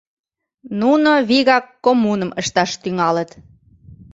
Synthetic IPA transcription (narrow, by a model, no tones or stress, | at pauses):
nunoβiɣɑkːomunəməʃt̪ɑʃt̪yŋɑlət̪